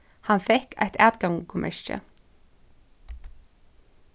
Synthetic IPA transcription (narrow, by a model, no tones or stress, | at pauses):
hɑnfɛkʰæ̰ɪt̪æːd̪ɡɑŋkʰʊmʔɛ̰ʃə̰